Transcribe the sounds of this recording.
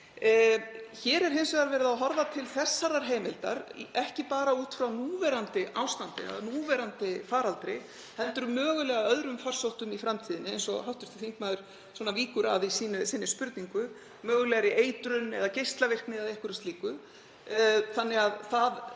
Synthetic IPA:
çɛːɾɛɾ̥ɦensvɛðaɾvɛːɾɪðaɦɔɾvat̪ʰɪlθɛsːaɾaɾ̥ɦeːjmɪlt̪a̰ɾ̰ʔɛhcɪpaːɾauːt̪fɾawnuːvɛɾant̪ɪʔawst̪ant̪ɪ̰ɛ̰ðanuːvɛɾant̪ɪfaːɾalt̪ɾɪ | hɛnt̪ʏɾʏmœːɣʏlɛːɣaœðɾʏmfar̥sowht̪ʏmifɾamt̪ʰiːðɪnːɪejnsɔ̰ɦawht̪ʏ̥st̪ɪ̥θiŋkmaːðʏɾ̥ | sɔːnaviːkʏɾaðisiːnʏsɪːnːɪspʏɾt̪niŋkʏ | mœːɣʏlɛːɣaɾɪʔeːjt̪ɾʏnɛ̰ðacejst̪lavɪr̥knɪðaðejhkʏɾast̪liːkʏ | θanːɛɣaðθað

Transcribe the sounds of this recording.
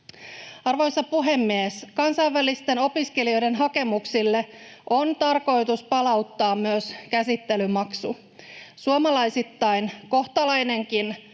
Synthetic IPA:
ɑrʋo̞jsɑpuɦe̞mːieskɑnsɑjʋʋælist̪e̞no̞piske̞lio̞jde̞nɦɑke̞muksilːe̞ʔo̞nt̪ɑrko̞jt̪uspɑlɑut̪ːɑːmmyøskæsit̪ːe̞lymɑksu | suomɑlɑjsit̪ːɑjnko̞ht̪ɑlɑjne̞ŋkin

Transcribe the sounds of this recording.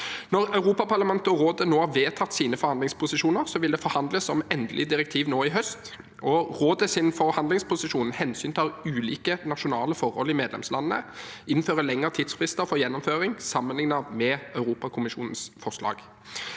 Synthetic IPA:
nɔʁɑʉʁuːpɑpɑʁlɑmɛnt̪əɔɾoːd̪ənoːhɑʋeːt̪ʰɑt̪ːsiːnəfɔɾhɑnd̪lɪŋspʰʊsɪʂuːnəʁsɔʋɪld̪ɛfɔɾhɑnd̪ləsːɔmɛnd̪əlɪd̪ɪɾɛk̚t̪ʰiːʋnoːɪɦœst̪ | ɔʁoːd̪əsɪnfɔʁhɑnd̪lɪŋspʰʊsɪʂuːnhɛnsyːnt̪ʰɑːʉːliːkənɑʃʊnɑːləfɔʁhɔ̰lɪmeːd̪lɛ̰mslɑnəːə̰ɪnføːʁəlɛŋːəʁt̪ʰɪd̪sfʁɪst̪əɾfɔɾjɛnːɔmføːʁɪŋsɑmːənlɪŋnɑʋmɛœʉɾuːpɑkʰʊmɪʂuːnənsfɔʁʂlɑ̰ːɡ̥

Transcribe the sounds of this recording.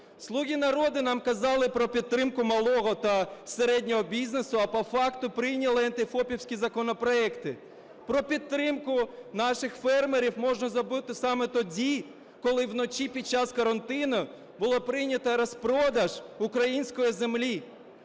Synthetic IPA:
slˠuɣʲinɐɾɔd̪ɪnɑmkɐzɑlˠɪpɾɔpʲit̪̚ːɾɪmkʊmɐlˠɔɦɔt̪ɐseɾɛdʲnʲɔɦɔbʲizʲnesʊɐpɔfɑkt̪ʊpɾɪjnʲɐlˠɪɐnt̪ɪfɔpʲiwsʲkʲizɐkɔnɔpɾɔɛkt̪ɪ | pɾɔpʲit̪ːɾɪmkʊnɑʃɪxfɛrmeɾʲiwmɔʒnɐzɐbut̪ɪsɑmɛt̪ɔdʲi | kɔlˠɪwnɔt͡ʃʲipʲid̪̚t͡ʃːɑskɔɾɐnt̪ɪnɐ | bʊlˠɔpɾɪjnʲɐt̪ɐɾɔspɾɔd̪ɐʒʊkɾɐjinʲsʲkɔjizemlʲi

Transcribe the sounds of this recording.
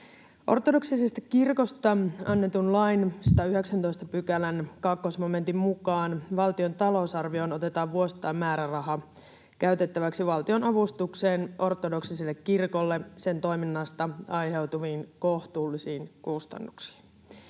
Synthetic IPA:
ʔo̞̰rt̪ːodo̞ksisest̪ækirko̞st̪ɑɑnːe̞t̪unlɑjnsɑ̥t̪æyɦe̞ksænt̪o̞jst̪ɑpykælænkɑkːosmome̞nt̪immukɑːnʋɑlt̪io̞nt̪ɑlo̞usɑrʋio̞no̞t̪e̞t̪ɑːʋʋuo̞si̥t̪ːˑɑːmmæːɾærɑɦɑ | kæɥt̪e̞t̪ːæʋæksiʋɑlt̪io̞nɑʋust̪ukseːnʔo̞rt̪o̞do̞ksisilːekːirko̞lːe̞se̞nt̪o̞jminːɑst̪ɑɑjɦe̞wt̪uʋiːnkoht̪uːlːisiːnkust̪ɑ̰nːuksi̥ːn

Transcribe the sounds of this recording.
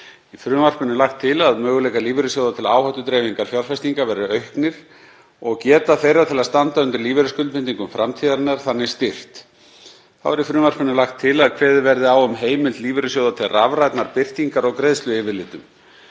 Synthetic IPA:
ifɾʏːmar̥pʏnɪlaxt̪ʰːɪlaðmœːɣʏlɛjkaliːvɪɾʏsjoːwðat̪ʰɪla̰ːwhœht̪ʏt̪ɾɛːviŋkaɾ̥fjawɾ̥fajst̪iŋkavɛːɾʏœɥhknɪɾ̥ | ɔɣcɛːt̪aθejɾat̪ʰɪlast̪ant̪aʏnt̪ɪɾliːvɛɾʏskʏlpɪnt̪iŋkʏmfɾʔamt̪ʰiːðaɾnːaɾ̥θanːɪ̥st̪ɪr̥t̪ | θa̰wvɛɾifɾʏːmar̥pʏnɪlaxt̪ʰːɪlaðkʰvɛːðɪvɛɾðɪaːwʏmɦeːjmɪlt̪liːvɾʏsjoːwðat̪ʰɪlravɾajt̪naɾpɪr̥t̪iŋkaɾɔɣkɾeðst̪lʏɛːvɪɾlɪːt̪ʏm

